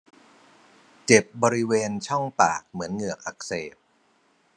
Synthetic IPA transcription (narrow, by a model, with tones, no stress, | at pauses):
t͡ɕe˨˩p̚bɔː˧ɾi˦˥weː˧nt͡ɕʰɔ˥˩ŋpaː˨˩k̚mɯ˩˦ənŋɯ˨˩ək̚ʔa˨˩k̚seː˨˩p̚